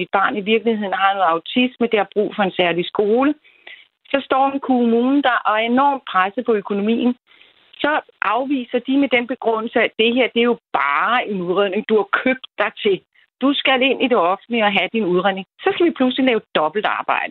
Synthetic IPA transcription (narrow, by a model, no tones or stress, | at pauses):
id̥̚b̥ɑ̈ːniʋiɐɡ̥lihhe̝ð̰ˠn̩ɦɑ̈nɔ̽ːð̩ˠɑ̈ʊt͡sʰisməd̥e̝ɑ̈b̥ʁṵːfɒ̽e̝nsæɐlisɡ̥o̝ːlə | sɒ̽sd̥ɒ̰ːenkʰomuːnn̩d̥ɑʔɒ̽æɐe̝nɒ̰ːm̥̚pʰʁasəpʰɒ̽økʰo̝no̝mḭːn̩ | sɒ̽ | ʔɑ̈ʊʋḭːsɐd̥imed̥enb̥e̝ɡ̥ʁɔn̰l̩səæd̥e̝ɦeɐ̰d̥e̝æɐjo̝b̥ɑːe̝nuðˠʁḛne̝ŋd̥uhɑ̈kʰøb̥̚d̥ːɑ̈ɪt͡sʰe̝l | d̥usɡ̥æle̝n̰ʔid̥e̝ɒ̽fn̩iɒ̽ɦæd̥inuðˠʁḛeŋsɒ̽sɡ̥æʋipʰluslilɛːʊd̥ɒ̽b̥l̩d̥ɑ̈ːb̥ɑ̈ɪ̰d̥ə